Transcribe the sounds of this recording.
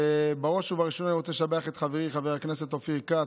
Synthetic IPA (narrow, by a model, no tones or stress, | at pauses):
baʁoʃuvaʁiʃonaniʁot͡seʃameaχet̪χaveʁiχaveʁaknese̞t̪ofika